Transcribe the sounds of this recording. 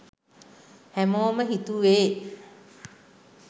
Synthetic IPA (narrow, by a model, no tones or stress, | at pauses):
hæmoːməɦit̪uʋeː